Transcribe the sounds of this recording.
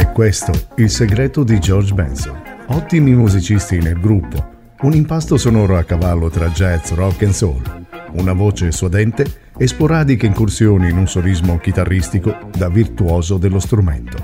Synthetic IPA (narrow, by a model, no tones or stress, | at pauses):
ɛkwest̪o̰ilseɡɾɛːt̪od̪id͡ʒɔrd͡ʒbɛnso̰nɔt̪ːimimuzit͡ʃist̪inelɡɾupːo̰ | unimpast̪osonɔːɾoakːavalːot̪ɾad͡ʒɛt̪srɔkːenso̰nunavoːt͡ʃesuad̪ɛnt̪e | espoɾaːd̪ikeiŋkursjoːniːnunsolizmok̟it̪arːist̪iko | d̪avːirt̪uoːzod̪elːost̪ɾumḛnt̪o